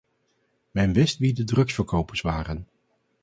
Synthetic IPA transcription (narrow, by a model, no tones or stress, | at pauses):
mɛnʋɪstʋidədrɵksfəɹkowpəɹsʋaːrən